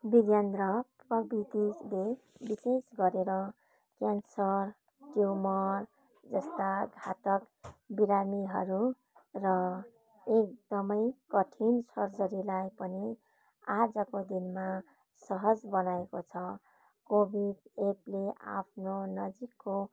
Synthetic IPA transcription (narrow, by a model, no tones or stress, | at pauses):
biɡjand̪rʌprʌbit̪ile | bisesɡʌɾeɾʌ | kjansʌr | ʈjumʌr | d͡zʌst̪aɡʱat̪ʌk | biɾamiɦʌɾu | rʌ | ek̚d̪ʌmʌjkʌʈʰinsʌrd͡zʌɾilajpʌni | ad͡zʌkod̪inma | sʌɦʌd͡zbʌnaekot͡sʰʌ | kobʱiɖep̚leʔa̰pʰnonʌd͡zikːo